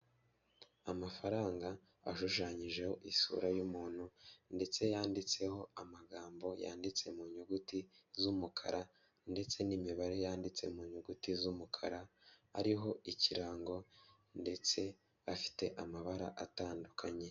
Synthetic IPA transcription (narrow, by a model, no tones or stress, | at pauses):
amafaɾaːŋɡaː | ʃuʃaɲiʒe̞ho̞ʔisṵːɾajumuːn̥hunde̞t͡se̞jaːndit͡se̞ho̞amaɡaːmbo̞ja̰ːndit͡se̞muɲuɡutizumukʰa̰ɾʔa | nde̞t͡se̞nimiβaɾe̞jaːndit͡se̞̰muːɲuɡutizumukʰaɾaa̰ɾiɦo̞ʔiciɾaːŋɡo̞ | nde̞t͡se̞ | afi̥te̞ʔamaβaɾa̰ʔataːndukʰaɲe̞